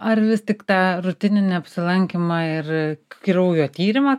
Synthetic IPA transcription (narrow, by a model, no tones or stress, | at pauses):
ɐɾʋʲɪst̪ʲɪkt̪ɑːɾʊt̪ʲɪnʲɪnʲɛɐpʲsʲɪlˠɐŋʲkʲɪmɑːɪrkʲiɾɐʊjoːt̪ʲiːɾʲɪmɑː